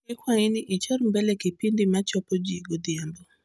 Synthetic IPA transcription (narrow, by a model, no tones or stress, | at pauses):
ɪkwainɪʔit͡ʃɔɾmbɛlɛkipindimat͡ʃɔpɔd͡ʒiɡod̪jambɔ